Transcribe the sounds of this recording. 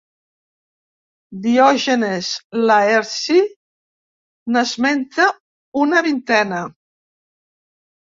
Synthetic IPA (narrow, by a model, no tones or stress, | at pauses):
d̪iɔʒenezlaeɾsi | nəzmɛnt̪ə | unəβint̪ɛnə